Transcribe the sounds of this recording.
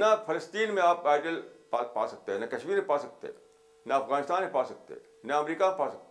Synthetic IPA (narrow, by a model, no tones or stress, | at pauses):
nɐfʰɐləst̪iːnmẽaːpaːɪɖəlpapa̰ːsɐk̚t̪eɦɛnɐkɐʃmiːɾmẽpaːsɐk̚t̪ḛɦɛ̰̃ | nɐɐfɣaːnɪst̪aːnmẽpaːsɐk̚t̪ḛɦɛ̰̃ | nɐɐmɾiːkaepaːsɐk̚t̪